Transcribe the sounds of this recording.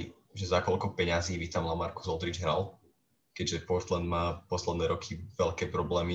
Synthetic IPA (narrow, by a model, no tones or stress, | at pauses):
i | ʒɛzakɔlkɔpɛɲaziːʋit̪amlamaɾku̥zɔlˠd̪ɾid͡ʒɦɾal | kɛɟʒɛpɔɾt̪land̪maːpɔslɛd̪nɛːɾɔkʰiʋɛʎkɛːpɾɔblɛːmi